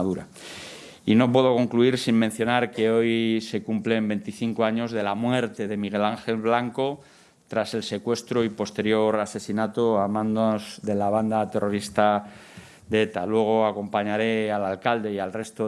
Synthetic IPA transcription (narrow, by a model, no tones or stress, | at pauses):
ðuɾa | ino̞p̬we̞ðo̞ko̞ŋkluiɾsimmẽn̟θjo̞naɾke̞o̞jse̞kumple̞mbe̞nt̪iθiŋkoaɲo̞zðe̞lamwe̞ɾt̪e̞ðe̞miɣ̞e̞laŋxe̞lβlaŋko̞ | t̪ɾase̞lse̞kwe̞st̪ɾoipo̞st̪e̞ɾjo̞ɾase̞sinat̪oamãnd̪ozðe̞laβ̞and̪at̪e̞ro̞ɾist̪a | d̪eet̪alweɣ̞o̞ako̞mpaɲaɾe̞alalkald̪e̞ialre̞st̪o